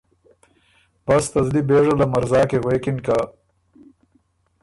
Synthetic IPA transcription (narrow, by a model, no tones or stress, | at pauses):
b̥ast̪ɐzlibeːʐalamaɾzɑːkeɣwekɪnka